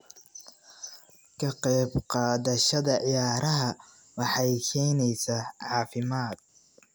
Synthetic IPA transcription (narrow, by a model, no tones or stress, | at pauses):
kʰɐqɛːbqɑːðɐʃɐðɐʕɪjaːɾʔɐɦɐ | wɑħɑjkʰɛjnɛjsaːʕɑːfɪmaːd̪̥̚